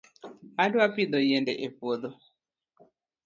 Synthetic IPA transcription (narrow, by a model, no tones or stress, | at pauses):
adwapid̪ojendɛʔepod̪o